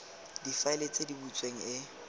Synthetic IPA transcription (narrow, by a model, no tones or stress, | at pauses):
difaɪlet͡sʼedibut͡sʼweŋ̩ɪ